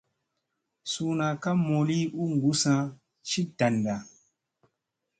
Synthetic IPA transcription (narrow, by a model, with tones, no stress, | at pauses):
su˦nã˨ka˦mo˨li˦u˦ŋ˨ɡu˦sã˧ | ʃi˦da˨nda˨